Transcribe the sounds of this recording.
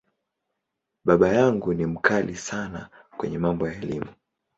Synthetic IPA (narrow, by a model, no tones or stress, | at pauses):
ɓaɓajaŋɡunim̩kʰalisana̰ | kwɛ̰ɲɛmambɔjaɛlimu